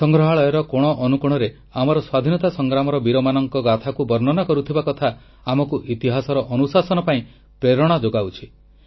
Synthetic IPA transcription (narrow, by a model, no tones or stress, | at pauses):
sɔŋɡɾɔɦaɭɔjɔɾɔkɔɽ̃ɔʔɔnukuɽ̃ɔɾe | amɔɾɔswad̪ʱinɔt̪asɔŋɡɾamɔɾɔbiɾɔmanɔŋkɔɡat̪ʰakubɔɾnɔnakɔɾut̪ʰibakɔt̪ʰa | amɔkuʔit̪iɦasɔɾɔʔɔnusasɔnɔpaĩ | pɾeɾɔɽ̃ad͡ʒoɡawt͡ʃʰi